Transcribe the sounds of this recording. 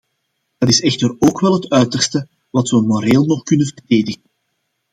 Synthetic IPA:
d̥ɑtɪsɛxtəroːkʋɛlˠɦətœɥtərstə | ʋɑtʋəmoɾeːlˠnɔxkʏnənvərdeːdəɣən

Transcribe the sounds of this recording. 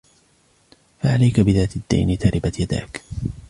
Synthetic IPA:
faʕalajkabɪðaːt̪ad̪ːa̰jnɪt̪aɾʔɪbat̪jad̪a̰ːk

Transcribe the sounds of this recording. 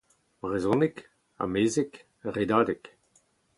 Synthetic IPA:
b̥ʁezɔ̃nik | a̰meːzek | ʁed̪aːd̪ek

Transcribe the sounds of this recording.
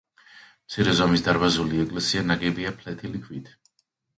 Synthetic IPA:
mt̪sʰiɾɛzɔmisd̪aɾbazuliɛkʼlɛsianaɡɛbiapʰlɛt̪ʰilikʰvwit̪ʰ

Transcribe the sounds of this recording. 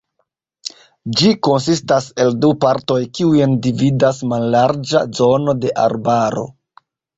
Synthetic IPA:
d͡ʒiko̞nsistase̞ldupaɾto̞jkiujendividasmalːaɾd͡ʒa̰zo̞no̞de̞ʔa̰ɾbaɾo̞̰

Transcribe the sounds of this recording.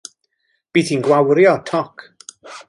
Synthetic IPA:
b̥iːθinɡwawɾjɔtʰɔkʰ

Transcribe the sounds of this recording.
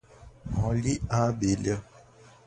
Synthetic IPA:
ɦɔ̃liabelə

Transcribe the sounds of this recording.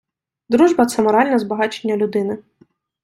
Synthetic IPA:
d̪ɾuʒbɐt̪sɛmɔɾɑlʲnɐzbɐɦɑt͡ʃenʲːɐlʲʊd̪ɪnɪ

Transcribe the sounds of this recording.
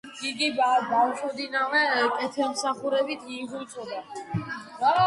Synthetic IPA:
iɡibabawʃɔd̪inavɛkʼɛt̪ʰɛlmsaχuɾɛbit̪ʰiːʁutʼɔd̪a

